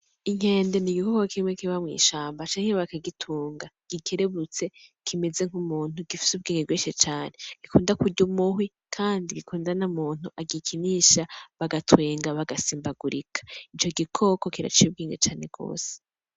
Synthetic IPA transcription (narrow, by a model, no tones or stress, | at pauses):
iŋ̥e̞ːnde̞niɡikokokimŋekiβamŋḭːʃaːmbat͡ʃaːŋeβakaɡitʰuːŋɡaɡ̥ike̞ɾe̞βut͡se̞kʰime̞ze̞ŋ̥humuːnuɡifi̥subɡiːŋɡeɡweːʃet͡ʃaːne̞ɡ̥ikuːndakuɾɟumuɦwi | kʰaːndiɡikʰuːndanamuːn̥uʔaɡikʰiniʃaβaɡatwe̞ːŋɡaβaɡasiːmbaɡuɾḭkʰḁit͡ʃo̞ɡikʰo̞ko̞kiɾa̰t͡ʃijubɡiːŋɡet͡ʃaːne̞ɡo̞̰ːse̥